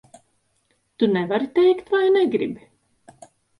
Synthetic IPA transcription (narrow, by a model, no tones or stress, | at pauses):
t̪unɛvaɾit̪ɛjkt̪vajnɛɡɾibi